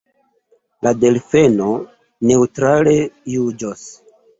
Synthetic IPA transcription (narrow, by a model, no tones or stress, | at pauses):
lade̞lfe̞no | ne̞utɾale̞jud͡ʒos